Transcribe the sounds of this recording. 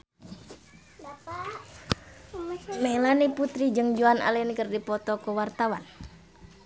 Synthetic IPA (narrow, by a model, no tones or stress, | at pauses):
melaniput̪ɾid͡ʒəŋd͡ʒuanʔa̰lɛnkərdipɔt̪ɔkəwart̪awan